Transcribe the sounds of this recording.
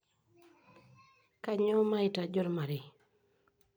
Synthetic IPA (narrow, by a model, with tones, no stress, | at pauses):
ka˦˨ɲɔ˦ma˦ɪ˨ta˨d͡ʒɔ˦ɾma˨ɾɪ˨